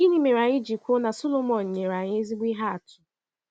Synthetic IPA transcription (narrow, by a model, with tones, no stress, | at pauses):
i˦ɲi˦me˨ɾa˨ɲɪ˦d͡ʒi˨kʷʊ˦na˨so˦lo˦mɔ˨n̩˨ɲe˨ɾa˨ɲe˦zi˦ɡ͡bʷi˦ɦa˦a˨tʊ̥˨